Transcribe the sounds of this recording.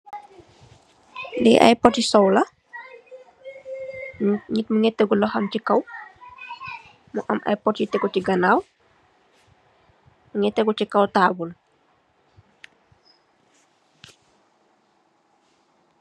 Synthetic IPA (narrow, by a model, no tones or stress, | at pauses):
diʔɐ̰jpɔtisɔwlɐ | ɲitmuŋɛtːɛɡulɔxɐmcikɐw | muʔɐ̰mʔɐ̰jpɔtjitɛɡɔciɡɐnaːw | muŋɛtːɛɡucikɐwtaːbul